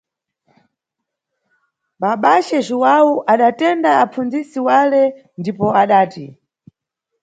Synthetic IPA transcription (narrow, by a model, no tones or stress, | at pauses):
ɓaɓat͡ʃɛʒiwawuʔaɗatɛndaːp͡fund͡zisiwalɛ | ndipɔaɗaːti